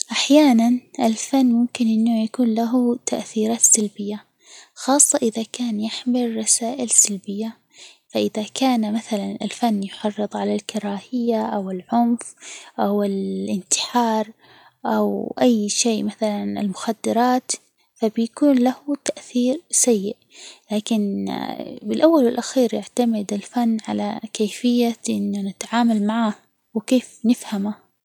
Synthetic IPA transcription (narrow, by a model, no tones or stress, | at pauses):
ʔaħjaːnanʔɪlfanːmʊmkɪnʔɪnːajakuːnlaɦut̪ʰaʔθiːɾaːt̪salbɪjːa | xɑːsˤːɑʔɪðakaːnjɪħmɪlːɑsaːʔɪlsalbɪjːa | faʔɪðakaːnmaθalanɪ̰lfanːjʊħɑrːɨt̪ˤʕalalkɑɾˤɑːhɪjːaʔawɪlʕʊmfʔawɪlʔɪnt̪ɪ̥ħɑːɾˤ | ʔawʔajːʃeːmaθalanɪ̰lmʊxad̪ːɑɾˤɑːt̪ | fabjakuːnlahʊt̪aʔθiːɾsajːɪʔlaːkɪn | bɪlʔawːalwɪlʔaxiːɾjaʕt̪amɪd̪ɪlfanːʕa̰la̰keːfɪjːaʔɪnːʊnɪt̪ʕaːmalmaʕaːh | wɪkeːfnɪfhama